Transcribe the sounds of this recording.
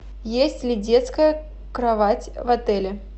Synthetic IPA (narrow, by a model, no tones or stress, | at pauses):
jesʲtʲlʲɪdʲe̞t̪skəjə | kɾɐvatʲvɐt̪ɛlʲɪ